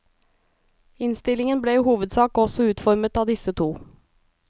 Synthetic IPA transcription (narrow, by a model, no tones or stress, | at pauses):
ɪnst̪ɪlɪŋənbleːiːhuːʋəd̪sɑːkɔsɔʉːt̪fɔɾmət̪ɑːd̪ɪsət̪ʰuː